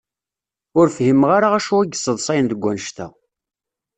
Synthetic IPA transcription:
ʊɾfhimʁaɾaæʃuæɡsˤəðˤsˤɑjnd̪əɡʷːænʃt̪æ̰

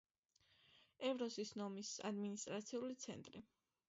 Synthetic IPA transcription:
ɛvɾɔzisnɔmisa̰d̪minist̪ʼɾat̪sʰiulit̪sʰɛ̰nt̪ʼɾi

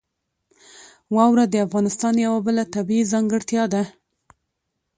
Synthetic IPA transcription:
wɑwɾad̪əafɣɑnɪst̪ɑnjawabəlat̪abiizɑŋɡəɽt̪jɑd̪a

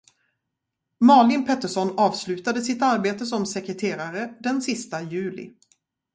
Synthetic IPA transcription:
mɑːlɪnpʰɛt̪ːəʂɔnːɑːvslʉ̟ːt̪ad̪əsɪt̪aɾbeːt̪əs̬ɔmsɛkɾɛt̪ʰeːɾaɾəd̪ɛnsɪst̪ajʉ̟ːlɪ̰

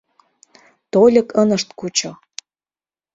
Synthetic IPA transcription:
t̪olʲə̆kənə̆ʃt̪kut͡ɕo

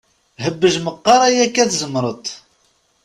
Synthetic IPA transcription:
ɦəbːəʒməqːɑɾˤæjækːæθzəmɾˤət̪ˤ

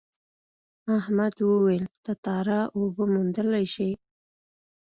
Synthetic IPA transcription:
ahmad̪wəwelt̪at̪ɑɾaʔobəmund̪əlajʃi

